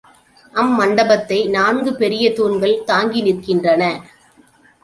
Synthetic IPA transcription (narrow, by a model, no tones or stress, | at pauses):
ʔɐmːɐɳɖɐbɐt̪ːɐɪnaːnɡɯpɛɾɪjɐt̪uːɳɡɐɭt̪aːŋɡɪnɪkːɪndrɐnɐ